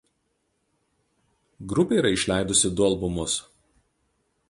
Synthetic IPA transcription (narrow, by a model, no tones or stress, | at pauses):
ɡɾʊpʲeˑiːɾɐɪʃʲlʲæˑɪd̪ʊsʲɪd̪ʊɐlˠbʊmʊs